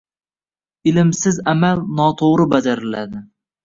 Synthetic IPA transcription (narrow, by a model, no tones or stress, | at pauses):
ɪlɪmsɪzamalnɒt̪ʰoʁɾɪbad͡ʒaɾɪlad̪ɪ